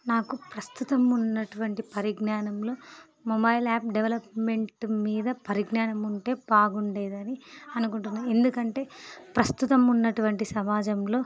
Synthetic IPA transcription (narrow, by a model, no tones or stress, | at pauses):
naːkupɾɐst̪ut̪ɐmunːɐʈuʋɐɳʈipɐɾiɡɳaːnɐmloː | mɔbɐjlaːp̚ɖeʋɐlɐpme̞ɳʈmiːd̪ɐpɐɾiɡɳaːnɐmuɳʈe̞ːpaːɡuɳɖeːd̪ɐniɐnukuɳʈund̪ie̞nd̪ukɐɳʈe̞ːpɾɐst̪ut̪ɐmunːɐʈuʋɐɳʈisɐmaːd͡ʒɐmlo̞ː